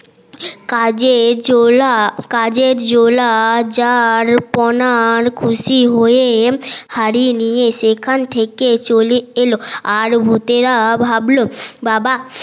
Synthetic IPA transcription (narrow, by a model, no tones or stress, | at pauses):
kad͡ʑelakad͡ʑeɾd͡ʑolad͡ʑaɾpɔnaɾkʰuʃiɦojehaɾinijeʃekʰant̪ʰeket͡ɕolieloaɾbʱut̪eɾabʱablobaba